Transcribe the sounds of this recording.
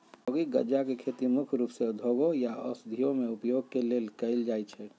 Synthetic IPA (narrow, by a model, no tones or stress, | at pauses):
oɡiɡə̰d͡ʒakekʰet̪imʊkʰɾuːpsed̪ʱoɡõjaɔ̰sd̪ʱijõmeupjoɡkeleːlkəɪld͡ʒajt͡ʃʰɛ